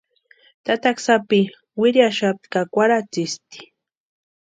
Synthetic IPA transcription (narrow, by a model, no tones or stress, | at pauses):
t̪at̪aksapɪ | wɪɾjaʃapt̪kakʷaɾat͡sɪst̪i̥